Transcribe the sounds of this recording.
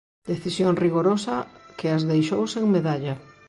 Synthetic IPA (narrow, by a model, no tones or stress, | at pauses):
d̪̥eθisjoŋriɣoɾosɐkɪazðejʃowseŋmeðaʎɐ